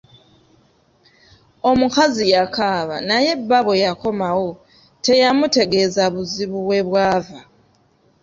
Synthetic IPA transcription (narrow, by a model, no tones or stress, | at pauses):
o̞mukazijakʰaːβa̰naje̞bːaβe̞jako̞mawo̞ | te̞jamute̞ɡe̞zaβuziβuwe̞βwaːva